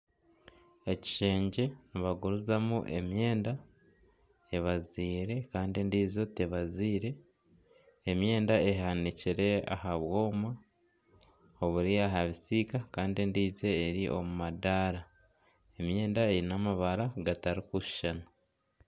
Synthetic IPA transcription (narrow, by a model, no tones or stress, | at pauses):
e̞ci̥ʃe̞ːɲɟe̞niβaɡuɾuzamuʔe̞mje̞ːnda | e̞βaziːɾe̞kaːndindizo̞teβaziːɾe̞ | mje̞ːndae̞ɦaniciɾe̞a̰haβwo̞ːma | o̞βuɾiaɦaβisiːkakaːndindiːze̞ːɾiʔo̞̰mumadaɾa | e̞mje̞ːndae̞ɾinamaβaɾaɡataɾikuʃi̥ʃana